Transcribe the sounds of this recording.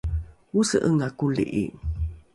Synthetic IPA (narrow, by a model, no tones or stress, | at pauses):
usəʔəŋakulḭʔḭ